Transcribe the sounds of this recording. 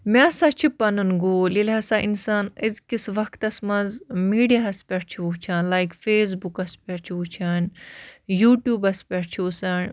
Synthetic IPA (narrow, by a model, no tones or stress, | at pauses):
mẽɐsaːt͡ʃʰipɐnɨnɡoːlilɦɐsaʔinsaːnizkisʋɐkt̪ɐsmɐnzmiːɖijaɦɐspʲɛʈt͡ʃʰiʋut͡ʃʰaːnlaːjkfeːs̬bukɐspʲɛʈt͡ʃʰiut͡ʃʰaːnjuːʈjuːbɐspʲɛɽt͡ʃʰiusɐːn